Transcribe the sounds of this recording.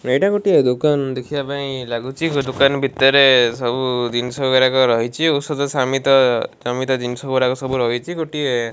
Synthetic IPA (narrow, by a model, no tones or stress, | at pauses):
ejʈakoʈied̪ukand̪ekʰibapaĩlaɡut͡ʃʰid̪ukanbʱit̪ɔɾesɔbud̪insɔɡɔɾakɔɾɔɦit͡ʃʰiusɔt̪ɔsamit̪ɔd͡ʒɔmit̪ɔd̪insɔɡɡɔɾakɔsɔbuɾɔɦit͡ʃʰikoʈie